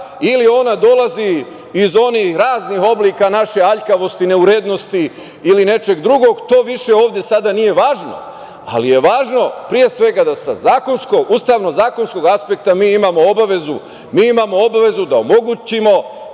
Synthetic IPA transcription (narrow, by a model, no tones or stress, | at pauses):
ilio̞nad̪o̞laziː | zo̞nihɾaːzniɦo̞bliːkanaʃe̞aʎkaʋo̞st̪ine̞uɾed̪no̞st̪i | iline̞t͡ʃe̞ɡd̪ɾuɡo̞ɡt̪o̞ːʋiʃe̞o̞ːʋd̪je̞sad̪anije̞ʋaːʒno̞̰ | a̰lije̞ʋaːʒno̞pɾije̞sʋe̞ɡad̪asa̰zaːko̞nskoɡust̪aːʋno̞zaːko̞nsko̞ɡaspe̞k̚t̪amiːimamo̞o̞baʋe̞zu | miːimaːmo̞obaʋe̞zud̪aomo̞ɡut͡ɕimo̞